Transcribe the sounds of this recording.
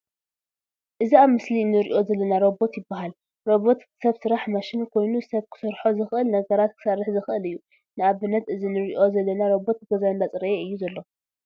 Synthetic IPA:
ʔɨziaβmɨslinɨɾiʔo̞zɐlːɐnaɾo̞bo̞t̪jɪbːaɦal | ɾo̞bo̞t̪ | sɐβsɨɾaħmaʃɪnkʰo̞jnusɐβkʰɨ̥sɐɾħozɨxʔɨlnɐɡɐɾat̪̚kʰɨ̥sarːɨħzɨxʔɨlɨjːu | nɨaβɨnːɐt̪ʔɨzinɨɾiʔo̞zɐlːɐnaɾo̞bo̞t̪̚ɡɐzanbat͡sʼɨɾɐjeɨjːuzɐlːo̞

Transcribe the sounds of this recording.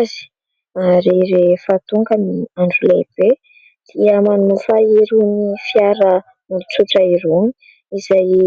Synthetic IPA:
zi̥ | aɾeɾefat̪uŋkəniaɳɖ͡ʐulḛb̥e | d̪̥iəmanufaiɾunifjaɾə | nulut͡suʈ͡ʂəiɾuni̥ | izaj

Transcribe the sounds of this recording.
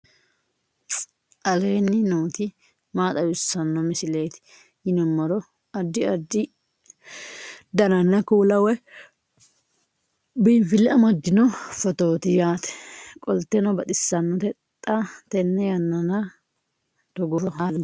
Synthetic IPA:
ʔɐleːnːɪnoːt̪ɪ | maːt̪ʼɐjʊsːɐnːɔmɪsɪleːt̪ɪ̥ | jɪnɔmːɐɾɔ | ɐd̪ːɪɐd̪ːɪ | d̪ɐnɐnːɐkuːlɐwɛ | biːfɪlɛɐmɐd̪ːɪnɔfɔt̪oːt̪ɪjaːt̪ɛ̥kʼɔlt̪ːɛnɐbɐt̪ʼɪsːɐnːɔt̪ɛt̪ʼːat̪ɛnːɛjɐnːɐnɐ | t̪ɔɡɔɾɔɦa

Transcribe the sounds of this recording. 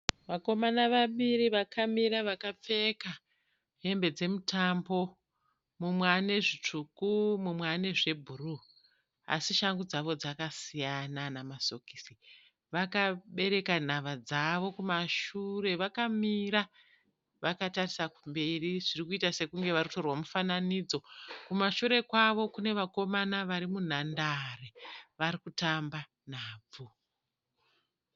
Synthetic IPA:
ʋako̞manaʋaɓiɾiʋakʰamiɾaʋakap͡fe̞ka | ɦe̞mbe̞d͡ze̞mutambo̞ | mumwane̞ʐit͡ʂukumumwane̞ʐe̞bʱuru | a̰siʃaŋɡud͡zaʋo̞d͡zakasijananamaso̞kiːsi | ʋakaɓe̞ɾe̞kan̤aʋad͡zaʋo̞kumaʃure̞ʋakamiɾa | ʋakatarisakumbe̞riʐirikuitase̞kuŋɡe̞ʋarikuto̞rwamufananiːd͡zo̞kumaʃuɾe̞kwaʋo̞kune̞ʋako̞manaʋaɾimun̤andareʋaɾikutamba | n̤aːb͡vu

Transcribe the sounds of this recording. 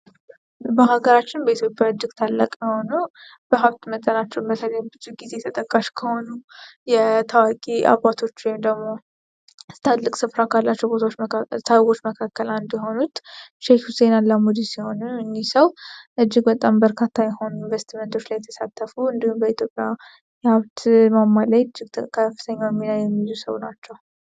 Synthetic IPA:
bəɦaɡəɾat͡ʃːɪnbəit̪ʰjo̞pʼjaɨd͡ʒːɪɡt̪ʰalːa̰kʼməho̞nu | b̥əɦabt̪mət̪ʼːənat͡ʃːɛmbət̪ʰələjbɨt͡ʃʼːiɡize̞t̪ʰət̪ʼəkʼːaʃkʰəho̞nujɛt̪ʰawakʼia̰βat̪ʰo̞t͡ʃːwemd̪əɡmo̞ | t̪ʰad̪lɨkʼsɨfɾakʰalːat͡ʃːɛwbot̪ʰaot͡ʃːt̪ʰawɡo̞t͡ʃːməkʰakʰːəland̪jɛɦo̞nut̪ʃefhusenalːamud̪isiho̞nɨɨɲːisəwʔɨd͡ʒːɪɡbət̪ʼambəɾkʰat̪ʰːajɛho̞nunvest̪ʰimənt̪ʰo̞t͡ʃːlajɛt̪ʰə̥sat̪ʰːəfuɨnd̪ihumbəit̪ʰjo̞pʼja | jaβt̪mamːalːajɨd͡ʒːɪɡ̪ʰkʰəfːɨt̪ʰəɲːawjɛmːinajɛmːilusə̰wnat͡ʃːɛw

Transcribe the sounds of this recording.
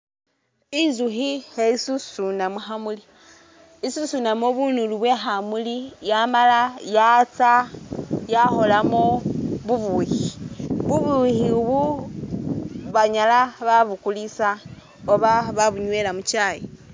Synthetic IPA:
inzuxiheisusunamuxamuli | isusunamoβunuluβwe̞ɦamulijamalajat͡sa | jaxo̞lamoβuβuhiβuβuhiβu | βaɲalaβaβukulisa | oβaβaβuɲwelamut͡ʃaji

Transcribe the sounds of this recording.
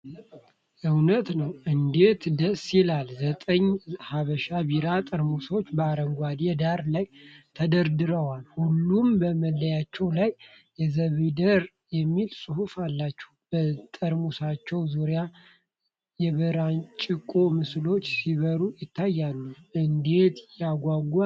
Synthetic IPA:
ʔɨwnət̪nəwʔɨnd̪e̞t̪d̪əsɪlalzət̪ʼəɲːhaβəʃaβiɾat̪ʼəɾmuso̞t͡ʃːbəaɾəŋɡʷad̪ed̪aɾlajt̪ʰəd̪əɾd̪ɨɾəwalhulːumbəməlːəjat͡ʃːɛwlaj | jɛzəβəjd̪əɾ | jɛmːilsʼuhufalːat͡ʃːɛ̥ | b̥ət̪ʼəɾmusat͡ʃːɛwzuɾja | jɛβəɾant͡ʃʼɪkʼo̞mɨslo̞t͡ʃːsiβəɾujɪt̪ʰːajːalːuʔɨnd̪e̞t̪jaɡʷaɡa

